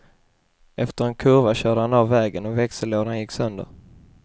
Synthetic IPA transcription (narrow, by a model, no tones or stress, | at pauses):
ʔɛft̪əɾɛnkʰɵɾvaɕœːɖəhanɑvːɛːɡənɔvɛksəloːd̪anjɪkːsœnd̪ə̰ɾ